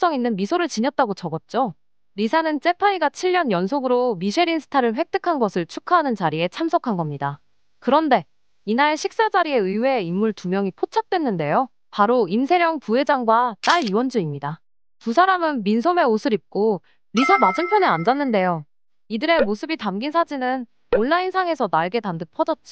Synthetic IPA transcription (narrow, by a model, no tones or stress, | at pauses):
s͈ʌŋinːɯnmisʰoɾɯɭt͡ɕiɲʌt̚t͈aɡot͡ɕʌɡʌt̚t͡ɕ͈o | ɾisʰanɯnt͡ɕ͈e̞pʰaiɡat͡ɕʰiʎːʌnjʌnsʰoɡɯɾomiɕʰeɾinsʰɯ̥tʰaɾɯɭɸwe̞k̚t͈ʰɯkʰanɡʌsʰɯɭt͡ɕʰukʰaɦanɯnt͡ɕaɾie̞t͡ɕʰamsʰʌkʰanɡʌmɲida | kɯɾʌnde̞ | inaɾeɕʰik̚s͈ad͡ʑaɾie̞ɯiwe̞imːuɭtumjʌŋipʰot͡ɕʰak̚t͈we̞nːɯnde̞jo | paɾoimsʰe̞ɾjʌŋpuɦe̞d͡ʑaŋɡwat͈aɭiwʌnd͡ʑɯimɲida | tusʰaɾamɯnminsʰome̞osʰɯɾip̚k͈o | ɾisʰamad͡ʑɯnpʰjʌneand͡ʑanːɯnde̞jo | idɯɾe̞mosʰɯbitamɡinsʰad͡ʑinɯn | onːainsʰaŋe̞sʰʌnaɭɡe̞tandɯpʰʌd͡ʑʌt̚t͡ɕ͈i̥